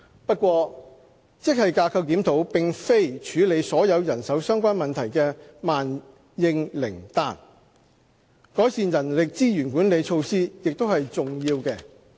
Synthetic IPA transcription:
pɐ˥t̚kʷwɔː˧ | t͡sɪ˥k̚hɐ˨jkaː˧kʰɐ˧w̚t̪iː˨˥mt̪ʰo˨˥wpɪ˨ŋfe˥jt͡ʃʰyː˨˧le˨˧jsɔː˨˥jɐ˨˧wjɐ˨˩nsɐ˨˥wsœː˥ŋkʷaː˥nmɐ˨nt̪ʰɐ˨˩jkɛː˧maː˨n | jɪ˧ŋlɪ̰˨˩ŋt̪a̰ː˧n | kɔː˨˥jsiː˨njɐ˨˩nlɪ˨k̚t͡siː˥jyː˨˩nkuː˨˥nle˨˧jt͡ʃʰo˧wsiː˥jɪ˨k̚t̪o˥whɐ˨jt͡sʊ˨ŋjiː˧wkɛː˧

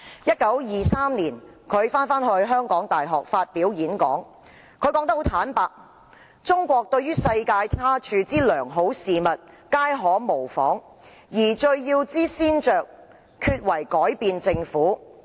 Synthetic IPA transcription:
jɐ˥t̚kɐ˨˥wjiː˨saː˥mniː˨˩nkʰɵ˨˧ɥfaː˥nfaː˥nhɵ˧ɥɦœː˥ŋkɔː˨˥ŋt̪aː˨˩jɦɔː˨k̚faː˧t̚piː˨˥wjiː˨˥nkɔ̰ː˨˥ŋ | kʰɵ˨˧ɥkɔː˨˧˥ŋt̪ɐ˥kho˨˥wt̪ʰaː˨˥npaː˧k̚ | t͡ʃʊ˥ŋkʷɔː˧k̚t̪ɵ˧ɥyː˥sɐ˧jkaː˧jt̪ʰaː˥t͡ʃʰyː˧t͡siː˥lœː˨˩ŋɦo˨˥wsiː˨mɐ˨t̚ | kaː˥jɦɔː˨˥mo˨˩wfɔ̰ː˨˥ŋ | jiː˨˩t͡ʃɵ˧ɥjiː˧wt͡siː˥siː˥nt͡ʃœː˨k̚ | kʰyː˧t̚wɐ˨˩jkɔː˨˥jpiː˧nt͡sɪ˧ŋfuː˨˥

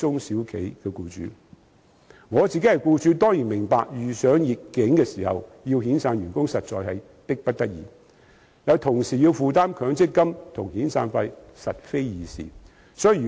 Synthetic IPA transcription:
t͡sʊ˥ŋsiː˨˥wkʰe˨˥jkɛː˧kuː˧t͡ʃy̰ː˨˥ | ŋɔː˨˧t͡siː˨ke˥hɐ˨jkuː˧t͡ʃyː˨˥t̪̬ɔː˥ŋjiː˨˩nmɪ˨˩ŋpaː˧k̚jyː˨˩sœː˨˥ŋjɪ˨tkːɪ˨˥ŋkɛː˧siː˨˩hɐ̰˨wji˧whiː˨˥nsaː˧nɥyː˨˩nkʊ˥ŋsɐ˨t̚t͡ʃɔ̰ː˨˧jhɐ˨j | t̪ɪ˥k̚pɐ˥t̚t̪ɐ˥k̚jiː˨˧ | jɐ˨˧wt̪ʰʊ˨˩ŋsiː˨˩jiː˧wfuː˨˧t̪aː˥mkʰœː˨˥ŋt͡sɪ˥tkːɐ˥mt̪ʰʊ˨˩ŋhiː˨˥nsaː˧nfɐ˧jsɐ˨t̚fe˥jjiː˨˧sḭː˨˩ | sɔ˨˥jyː˨˩

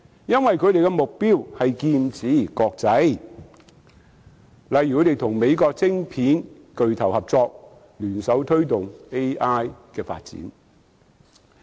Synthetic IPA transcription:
jɐ˥nwɐ˨jkʰɵ˨˧ɾe˨jkɛ˧mʊ˨k̚piː˥whɐ˨jkiː˧nt͡sʰiː˨˥˨kɔː˧k̚t͡sɐ˨˥j | lɐ˨jːkʰɵ˨˧˥t̪e˨jt̪ʰʊ˨˩ŋme˨˧jkɔː˧k̚t͡sɪ˥ŋpʰiː˨˥n | kɵ˨ɥt̪ʰɐ˨˩whɐ˨p̚t͡sɔː˧k̚ | lyː˨˩nsɐ˨˥wt̪ʰɵ˥ɥt̪ʊ˨ŋe˥jʔaː˥jkɛː˧fa̰ː˧t̚t͡sḭː˨˥n

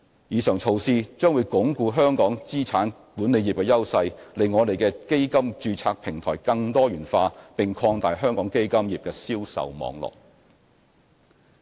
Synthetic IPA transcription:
jiː˨˧sœː˨˩ŋt͡sʰo˨˧wsiː˧t͡ʃœː˥ŋwu˨˧jkʊ˨˥ŋkuː˧ɦœː˥ŋkɔː˨˥ŋt͡siː˥t͡sʰaː˨˥n | puː˨˥ne˨˧jiː˨p̚kɛː˧jɐ˥wsɐ˧jle˨jŋɔː˨˧t̪e˨jkɛː˧ke˥jkɐ˥mt͡ʃyː˧t͡sʰaː˧k̚pʰɪ˨˩ŋt̪ʰɔ̰ː˨˩jkɐ˧ŋt̪ɔː˥jyː˨˩nfaː˧pɪ˨ŋkʰɔː˧ŋt̪aː˨jɦœː˥ŋkɔː˨˥ŋke˥jkɐ˥mjiː˨˩p̚kɛː˧siː˥wsɐ̰˨wmɔ̰ː˨˧ŋlɔ̰ː˨˩k̚

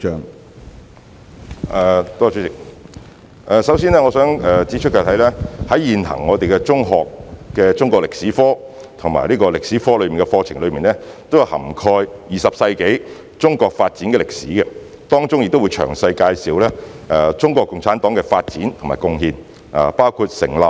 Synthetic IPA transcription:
ʔɛ˨t̪ɔː˥t͡ʃʰy˨˥t͡sɪ˨k̚ | ʔɛː˨˧sɐ˨˥wsiː˥nlɛː˥ŋɔː˨˧sœː˨˥ŋɛː˨˧t͡si˨˥t͡ʃ̚ʰkːaː˧t̪ʰɐ˨˥jlɛː˥hɐ˨˥jjiː˨nhɐ̰˨˩ŋːɔː˨˧t̪e˨jkɛ˧t͡sʊ˥ŋɦɔː˨kːɛː˧t͡sʊ˥ŋkɔː˧lɪ˨k̚siː˨˥fɔː˥ | t̪ʰʊ˨˩ŋma̰ː˨˩jliː˥kɔː˧lɪ˨k̚si˨˥fɔː˥lɵ˨˧ɥmiː˨nkɛ˧fɔː˧t͡sʰɪ˨˩ŋlɵ˨˧ɥmiː˨nɛː˥t̪o˥wjɐ˨whɐ̰˨˩mkʰɔː˧jjiː˨sɐ˨p̚sɐ˧jke˨˥j | t͡sʊ˥ŋkɔː˧k̚faː˧t̚t͡siː˨˥nkɛ˧lɪ˨k̚siː˨˥ɡɛ˧ | t̪ɔː˥ŋt͡sʊ˥ŋjɪ˨t̪o˥wu˨˧jt͡ʃʰœ̰ː˨˩ŋsɐ˧jkaː˧jsiː˨wlɛː˥ʔɛ˨˧t͡sʊ˥ŋkɔː˧kːʊ˨˧ŋt͡sʰaː˨˥nt̪ɔː˨˥ŋkɛ˧faː˧t̚t͡siː˨˥nt̪ʰʊ˨˩maː˨jkʊ˧ŋhiː˧n | aː˨˩paː˥wkʰuː˧t̚sɪ˨˩ŋlɐː˨p̚

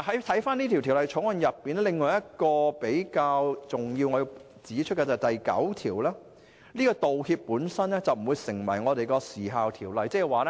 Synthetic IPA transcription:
ɦɐ˨˥jt̪ʰɐ˨˥jfaː˥niː˥t̪ʰi˨˩wt̪ʰi˨˩wlɐ˨jt͡ʃʰʊ˨˥ŋwɐ˨˧njɐ˨pːiː˨nɛː˥lɪ˨ŋːɔː˨˧jɐ˥t̚kɔː˧pe˨˥jkaː˧wt͡sʊ˨ŋji˧wŋɔː˨˧ji˧ | t͡siː˨˥t͡ʃʰɵ˥kɛː˧t͡sɐ˨˩t̪ɐ˨jkɐ̰˨˥wt̪ʰiː˨˩wlɛː˥ | niː˥kɔː˧t̪o˨whiː˧p̚ːuː˨˥nsɐ˥nlɛː˥t͡sɐ˨wm̩˨˩wuː˨˧jsɪ˨˩ŋwɐ̰˨˩jŋɔː˨˧t̪e˨jkɔː˧siː˨˩ɦaː˨wt̪ʰiː˨˩wlɐ˨jt͡sɛː˥˨waː˨lɛ˥

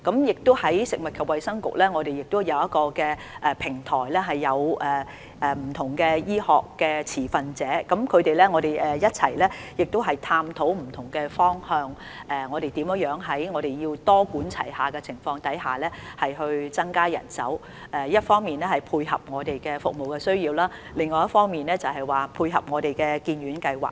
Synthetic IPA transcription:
kɐ˨˥mjɪ˨k̚t̪ʊ˥whɐ˨˥jsɪ˨k̚mɐ˨t̚kʰɐ˨p̚wɐ˨jsɐ˥ŋkʊ̰˨k̚lɛː˥ŋɔː˨˧ɾe˨˩jɪ˨k̚t̪ʊ˥jɐ˨˧wjɐ˥t̚kɔː˧kɛː˧ | ʔɛ˨pʰɪ˨˩ŋt̪ʰɔː˨˩jlɛː˥ɦɐ˨jːɐ˨˧wʔɛː˨ | ʔɛː˨˩m̩˨˩t̪ʰʊ˨˩ŋkɛː˧jiː˥hɔ̰ː˨kːɛː˧t͡sʰiː˨˩fɐ˨nt͡sɛː˨˥kɐ˨˥mkʰɵ˨˧ɥt̪e˨jlɛ˥ŋɔ˨˧t̪e˨jɛː˨˩jɐ˥t̚t͡sʰɐ˨˩jlɛː˥jɪ˨k̚t̪o˥wɦɐ˨jt̪ʰaː˧mt̪ʰo˨˥wm̩˨˩t̪ʰʊ˨˩ŋkɛː˧fɔː˥ŋhœː˧ŋ | ʔɛ˨ŋɔː˨˧ɾe˨jt̪iː˨˥mjjœː˨˥ŋɦɐ˨˥jŋɔː˨˧ɾe˨jjiː˧wt̪ɔː˥kuː˨˥nt͡sʰɐ̰˨˩jhaː˨kɛː˧t͡sʰɪ˨˩ŋfɔː˧ŋt̪ɐ˨˥jɦaː˨˩lɛː˥hɐ˨jhɵ˧ɥt͡sɐ˥ŋkaː˥jɐ̰˨˩nsɐ̰˨˥w | ɛː˨jɐ˥t̚fɔː˥ŋmiː˨nlɛ˥hɐ˨jpʰuː˧jɦɐ̰˨p̚ŋɔː˨˧t̪e˨jkɛː˧fʊ˨k̚mo˨wkɛː˧sɵ˥ɥjiː˧wlaː˥ | lɪ˨ŋːɔː˨jɐ˥tfɔː˥ŋmiː˨nlɛː˥t͡sɐ˨˩wɦɐ˨jwaː˨pʰuː˧jɦɐ̰˨p̚ŋɔː˨˧ɾe˨jkɛː˧kiː˧nɥyː˨˧˥nkɐ˧jwa̰ː˨k̚

